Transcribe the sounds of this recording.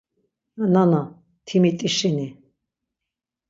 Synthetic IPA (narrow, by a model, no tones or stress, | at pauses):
nana | t̪ʰimit̪ʼiʃini